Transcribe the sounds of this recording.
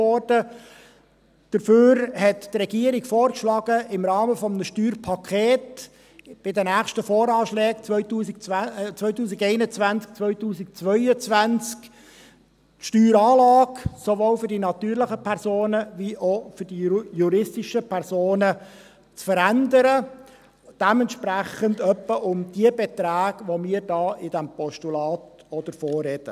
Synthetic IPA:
ɔrd̥ə | d̥əɾføːɾhɛttrɾɛɡ̥iəɾiɡfɔːrkʃlɑːɡəʔɪmɾɑːməfɔmnəʃtyːɾpʰɑkʰeːt | b̥ɪd̪ənæːχʃtəfoːɾɑːʃlɛːkt͡sʋœʏt̪uːsik̚t͡sʋœʏtuːsiɡɛɪnət͡sʋænt͡sk̚t͡sʋœʏtuːsik̚t͡sʋœʏət͡sʋænt͡sk | tʃtyːɾɑːlɑːksoʋoːlfʏɾdinɑt̪yːɾlɪχəpʰɛɾsoːnəviʔofʏɾd̥ijuɾɪstɪʃəpʰɛɾsoːnə | t͡sfəɾænd̪əɾə | d̥ɛmɛnt̪ʃpɾæχənd̪œpːəʔʊmd̥iəbɛt̪ɾæːɡʋomiːəɾd̥ɑːɪd̥æmpɔʃtulɑːt̪ | ɔd̪əɾfoːrːɛd̥̪ə

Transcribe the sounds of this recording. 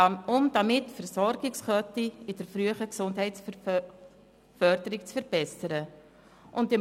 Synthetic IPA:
ʊmd̥ɑmɪtːfəɾsɔɾɡɪksχœtiɪd̥əɾfɾyəχəksʊndɦɛɪts | fœrdəɾɪk̚t͡sfəɾb̥ɛsəɾə | ʔʊntɪ

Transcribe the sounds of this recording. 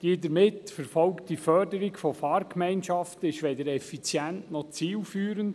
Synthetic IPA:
d̥iːdəɾmɪtfəɾfɔlktifœdəɾiɡfɔfɑːrkʰmɛɪnʃɑftɪʃʋɛdəɾɛfit͡sjæntnɔt͡siːlfyːɾənd

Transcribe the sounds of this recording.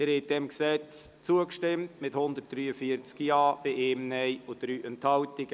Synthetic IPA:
ɪɾɛt̚d̥ɛmksɛt͡st͡suəkʃtɪmtmɪthʊnd̪ət̚d̥ɾyːəfiəɾt͡skijɑːb̥ɪʔeːmnɛjʊd̥ɾyːʔɛnthɑwtɪɡ̥ə

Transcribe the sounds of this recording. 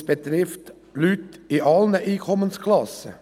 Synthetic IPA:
b̥ət̪ɾɪft̪ | lyt̪iʔɑlnəʔiːkʰɔmənskʰlɑsə̰

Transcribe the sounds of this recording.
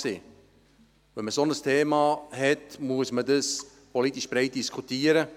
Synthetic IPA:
siː | vɛnməsonəstʰeːmɑhɛtmuəsmədəs | pɔlitiʃb̥ɾeɪt̚d̥iskʰutiːəɾə

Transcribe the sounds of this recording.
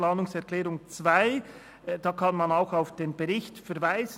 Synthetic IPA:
laːnʊŋsɛʁklɛːɾʊŋt͡svaɪ | d̥ɑːkʰɑnmɑnaʊxaʊfd̥eːnbɛʁɪçtfɛʁvaɪz̥

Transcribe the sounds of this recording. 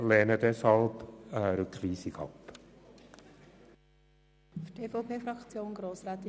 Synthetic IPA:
leːnəd̪ɛshɑlbəɾʉkʰʋiːsikʰɑ̰p | fyteːfopʰeːfɾɑkt͡sjoːnɡɾoːsɾaːt̪

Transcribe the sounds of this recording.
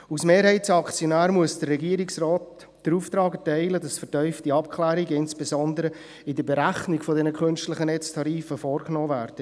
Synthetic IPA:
usmeːɾɦɛɪtsɑkt͡sjɔnæːɾmuəsd̥ərːɛɡiːəɾɪksrɔːt | d̥əɾuːft̪ɾɑːɡɛtɛɪlədɑsfətœʏftiɑpkʰlæːɾiɡəɪnsb̥ezɔndəɾə | ɪdəbɛɾæχniɡfɔdɛnəkʰχønʃtləχənɛt͡stʰɑɾiːfəfɔːɾknɔːvæːɾd̥ə

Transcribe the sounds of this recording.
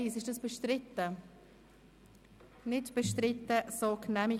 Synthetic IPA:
isɪʃd̥ɑsb̥əʃtɾɪtə | nɪtb̥əʃtrɪtːəsoknɛmɪ

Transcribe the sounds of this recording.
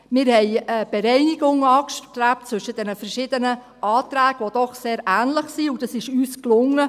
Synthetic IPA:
mɪɾhɛɪəb̥eɾɛɪniɡʊŋɑːkʃtɾæp̚t͡sʋʏʃəd̥ɛnəfəɾʃɪd̥ənə | ʔɑːtɾæːɡ̥əʋod̥ɔχseːɾʔæːnləχsiud̥ɑsɪʃyːsklʊŋə

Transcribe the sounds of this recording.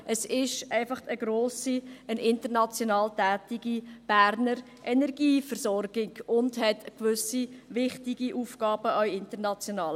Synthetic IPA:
ʔəsɪʃæɪfɑχtəɡɾoːsiənʔɪntəɾnɑt͡sjonɑːltɛːtɪɡib̥æːɾnəɾ | ʔɛnɛɾɡiːfəɾsɔɾɡɪɡʊndɦɛtkʋʏsiʋɪχtiɡiʔuːfɡɑːbəœjɪntəɾnɑt͡sjonɑːl

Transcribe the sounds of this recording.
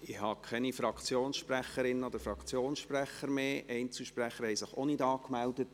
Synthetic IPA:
ɪhɑkʰχɛnifɾɑkʰt͡sjoːnsʃpræχəɾɪnːəod̥əɾfɾɑkʰt͡sjoːnsʃpræχəɾmeːʔɛɪnt͡sɪʃpræχːəɾhɛjsɪχo̰nɪdɑːkmældətt

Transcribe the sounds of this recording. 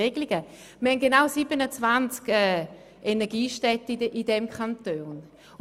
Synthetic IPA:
eɡliɡə | mhɛnɡ̥enaʊsibənət͡svant͡skɛ | ʔenɛɐɡiːʃtɛtəʔidɛmkʰantoːn

